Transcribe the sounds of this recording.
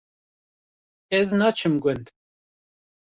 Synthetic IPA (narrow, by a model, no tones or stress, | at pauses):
ɛznɑːt͡ʃʰɨmɡʊnd̪